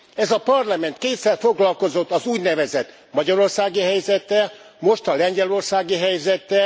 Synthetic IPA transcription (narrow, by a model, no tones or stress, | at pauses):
ɛzɒpɒrlɒmɛnt̪̚keːt̪sɛrfo̞ɡlɒlko̞zo̞t̪ːɒzuːɟnɛvɛzɛt̪ | mɒɟɒɾo̞rsaːɡiɦɛjzɛt̪ːɛ | mo̞ʃt̪ɒlɛɲɟɛlo̞rsaːɡiɦɛjzɛt̪ːɛ